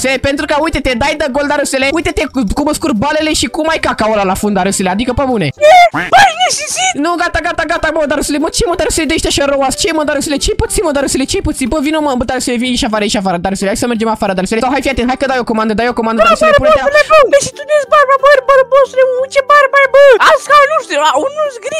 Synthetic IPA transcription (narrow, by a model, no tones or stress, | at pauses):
selepent̪ɾukəujt̪et̪ed̪ajd̪əɡold̪aɾɨseleujt̪et̪ekuməskurbale̞leʃikumajkakaolalafund̪aɾɨselead̪ikəpəbunejebəjeʃisinuɡat̪aɡat̪aɡat̪aməd̪aɾɨsilemot̪t͡ʃemod̪aɾɨsiled̪eʃt̪ʲaʃaɾowast͡ʃeməd̪aɾɨsilet͡ʃejput̪sinmod̪aɾɨsilet͡ʃejput̪sinbəvinoməmbəd̪aɾɨsileviniʃafaɾəiʃafaɾəd̪aɾəselehajsəmerd͡ʒemafaɾəd̪aɾɨselesawɦajfijat̪ent̪hajkəd̪ajoko̞mand̪əd̪ajokomand̪dd̪aɾseleɾpuneouleboeʃit̪ud̪esbaɾbabəɾʲbaɾbosuleuut͡ʃebaɾʲbajbəlaskanuʃt̪iaunusɡɾi